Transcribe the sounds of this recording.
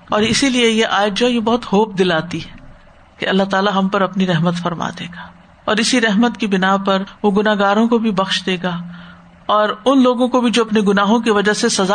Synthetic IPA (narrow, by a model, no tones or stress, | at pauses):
ɔːɾɪsiliejeʔaːjd͡ʒd͡ʒojebɐɦʊt̪xoːp̚d̪ɪlaːt̪iɦɛ | kḛɐlːaɦt̪aːlaɦɐ̃mpɐɾɐpniɾɛɦmət̪fɐɾma̰ːd̪eːɡaː | ɔːɾɪsiɾɛɦmət̪kibɪnapɐɾʋoɡʊnaːɦɡaːɾõkobʱibɐxʃd̪eːɡaː | ɔːɾʊnloːɡõkobʱid͡ʒoːɐpneɡʊnaːɦõkiʋɐd͡ʒasesɐza